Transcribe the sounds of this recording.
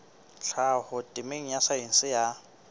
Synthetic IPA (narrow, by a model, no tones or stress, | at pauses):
ɬʰahʊtʼɪmeŋ̩jasaen̩sɪja